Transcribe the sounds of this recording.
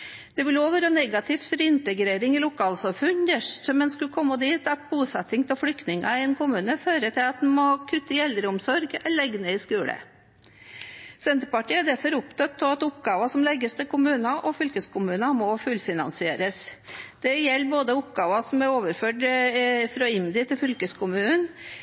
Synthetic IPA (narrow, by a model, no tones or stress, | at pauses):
d̪̥ɛʋɪloːʋəɾɔnɛɡɑt̪ʰɪft̪fɔɾɪnt̪əɡɾeːɾɪŋɪlʊkʰɑːlsɑmfʉɲd̪əʂʈɔmɛnskʉkʰɔmːəd̪iːt̪ɑt̪̚buːsɑt̪ːɪŋt̪ʰɪlflʏkt̪nɪŋʔɑ̰ɪɛnkʰʊmʉːnəføːɾət̪ʰɪlɑt̪̚mɛmɔkʰʉt̪ːəɪɛld̪ɾəʊmsɔɾɡɛlɛɡnəɪskʉːlə̰ | sɛnt̪əɾpɑʈiːɑɖ̪æɾfɔɾʊpt̪ʰɔt̪̚pʰːɔɑt̪ʊpɡɑːʋɑsɔmlɛɡəst̪ʰɪlkʰʊmʉːnɑʔɔfʏlkəskʰʊmʉːnɑmɔfʉlfɪnɑ̰nsɪḛːɾəsd̪̥ɛjɛlːboːd̪əʊpɡɑːʋɑsɔmæɾoːʋəɾføːɖfɾɑɪmd̪ɪt̪ʰɪlfʏlkəskʰʊmʉːən